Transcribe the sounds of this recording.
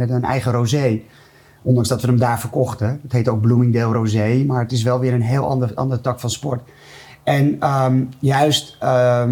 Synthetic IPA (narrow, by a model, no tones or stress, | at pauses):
ɛtənɛ̰jχərozej | ɔndɑŋzdɑtʋənəmdaːɹfərkɔχtəətɦejtowɡ̚blumɪŋdeːlˠrozejmaːɹətɪs̬ʋɛlˠʋɪːɾənɦeːlˠʔɑ̰ndəʔɑ̰ndəɹtɑkfɑnspɔɹt | ɛnəmjœɥst